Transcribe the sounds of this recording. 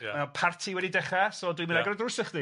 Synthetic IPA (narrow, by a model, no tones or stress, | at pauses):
apʰartʰiwɛdidɛχasɔlɔdwimɨnaɡrɔdrʊsəχdi